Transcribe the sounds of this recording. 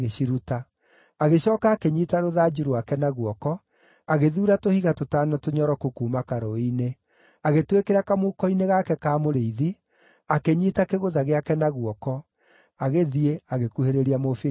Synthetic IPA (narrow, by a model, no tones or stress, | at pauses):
ɣeɕiɾuta | aɣeʃɔːkaːkeɲiːtaɾoðaːd͡ʒuɾoakɛnaɣwɔkɔ | aɣeðuːɾatohiɣatotaːnɔtoɲɔɾɔkukuːmakaɾɔine | aɣetwekeɾakamokɔineɣakɛkaːmoɾeiði | akeɲitakeɣoðaɣeakɛnaɣwɔkɔ | aɣeðieaɣekuheɾeɾiamofi